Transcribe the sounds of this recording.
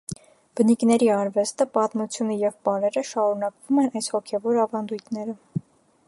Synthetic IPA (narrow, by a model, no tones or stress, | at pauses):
b̥əniknɛɾiɑɾvɛst̪əpɑt̪mut͡sʰjunəjɛvbɑɾɛɾəʃɑɾunɑkvumɛnɑjshɔkʰɛvɔɾɑvɑnd̪ujt̪ʰnɛɾə